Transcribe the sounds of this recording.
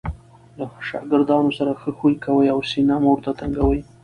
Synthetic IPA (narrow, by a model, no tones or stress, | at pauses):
laʃɑ̰ɡɪɾd̪ɑnosaɾaxəxujkawəjawsinamoɾt̪at̪aŋɡawəj